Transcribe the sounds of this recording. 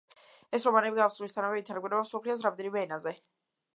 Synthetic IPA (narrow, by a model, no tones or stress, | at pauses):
ɛsɾɔmanɛbiɡafsulist̪ʰanavɛit̪ʰaɾɡwɛɾɛbamsɔpʰlias̬ɾamd̪ɛnimɛːnazɛ